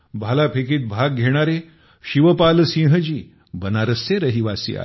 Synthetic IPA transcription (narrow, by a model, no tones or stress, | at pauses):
bʱalapʰekiːt̪̚bʱaɡ̚ɡʱeɽ̃aɾe | ɕiʋəpalsĩːɦəd͡ʑiː | bənaɾəsːeɾəɦiʋasḭːa̰